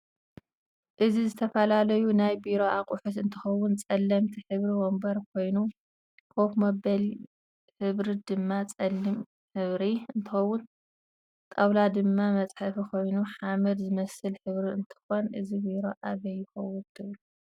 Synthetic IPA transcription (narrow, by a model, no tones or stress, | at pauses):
ʔɨzizɨt̪ʰɐfɐlalɐjunajbiɾo̞akʼʊħut̪ɨnt̪ʰɨxɐwːʊnt͡sʼɐlːɐmt̪ʰiħɨβɾiwombɐɾkʰo̞jnu | kʰokmɐbɐl | ħɨβɾid̪ɨmːat͡sʼɐlːim | ħɨβɾiɨnt̪ʰɨxɐwːʊn | t̪ʼɐwlad̪ɨmːamɐt͡sʼħɐfikʰo̞jnuħamɐd̪zɨmɐsɨlħɨβɾiɨnt̪ʰɨ̥xonʔɨzibiɾo̞ʔaβɐjːɪxɐwːʊnt̪ʰɨβlu